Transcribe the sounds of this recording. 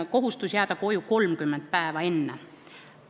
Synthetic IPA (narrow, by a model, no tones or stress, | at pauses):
ko̞ɦust̪usjæːd̪̥ɑko̞juko̞lmkymːent̪̚pæevɑe̞nːe